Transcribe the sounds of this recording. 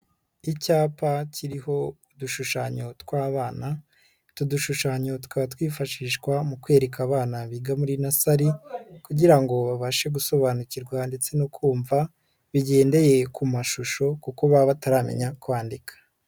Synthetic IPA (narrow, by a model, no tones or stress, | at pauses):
icaːpaciɾiho̞ | duʃuʃaːɲo̞twaːβaːna | tuduʃuʃaːɲo̞tu̥kaβatwiːfaʃiːʃkwamukwe̞ːɾe̞kaːβaːnaβiːɡamuɾinasaɾikuɟiɾaŋɡo̞βaβaʃe̞ɡuso̞βanuciɾɡwande̞t͡se̞nokʰuːɱva | βiɟe̞ːnde̞je̞kumaʃuʃo̞kuko̞βaβataɾamḛɲakwaːndikʰḁ